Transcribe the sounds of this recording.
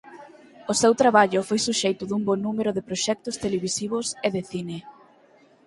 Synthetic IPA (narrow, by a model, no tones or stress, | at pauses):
ʊsewt̪ɾaβaʎʊfojsuʃejt̪ʊðumbonumeɾʊðepɾoʃɛk̚t̪ʊst̪eleβisiβ̞ʊseðɪθine